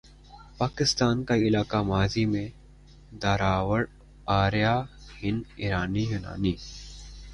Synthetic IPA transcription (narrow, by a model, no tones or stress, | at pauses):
paːkɪst̪aːnkaɪlaːkamaːzimẽ | d̪ɐɾaːwəɽ | aːɾjaːhɪniɾaːniɦʊna̰ːniː